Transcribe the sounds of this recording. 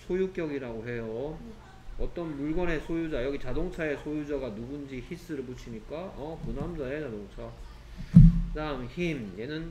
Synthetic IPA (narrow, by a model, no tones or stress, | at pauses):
sʰojuk͈jʌɡiɾaɡoɦe̞jo | ʌt͈ʌnmuɭɡʌne̞sʰojud͡ʑajʌɡit͡ɕadoŋt͡ɕʰae̞sʰojud͡ʑaɡanubund͡ʑiçis͈ɯɾɯɭput͡ɕʰimɲik͈aʌkunɦamd͡ʑaet͡ɕadoŋt͡ɕʰa | damçimje̞nɯn